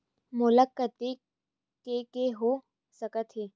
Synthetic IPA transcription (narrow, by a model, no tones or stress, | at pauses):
mʊləkːət̪e | kekeɦo | səkət̪ʰɦeː